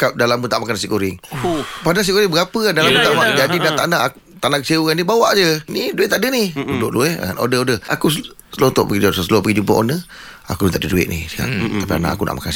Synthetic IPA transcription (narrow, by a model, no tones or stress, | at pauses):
kap̚dalamːut̪aʔmakanasiʔkoɾɪŋpadanas̬iʔkoɾɪŋbəɡapəadalamut̪aʔmad͡ʒadinat̪ana | t̪anakə̥siukanibawaʔd͡ʒəniduɪʔt̪aʔdənihudʊʔluɛa̰a̰no̰dəodəha̰kus | səlot̪ɔ̰ʔpəɡisəlopəɡid͡ʒumpə̰ʔonə | a̰kut̪aʔdəduɪ̰ʔnisi̥ka̰ʔt̪apia̰na̰ʔa̰kuna̰ʔma̰kans